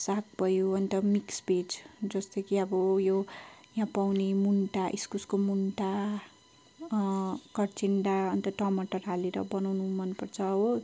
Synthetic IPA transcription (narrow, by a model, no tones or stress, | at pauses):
sak̚bʱʌjuʌnt̪ʌmiksbed͡zd͡zʌst̪ʌkʰiʌbʌjojãpawnemunʈaʔiskuskomunʈa | kʌrt͡siɳɖaʌnt̪ʌʈʌmʌʈʌrɦaleɾʌ̰bʌnawnumʌnːupʌrt͡sʰʌo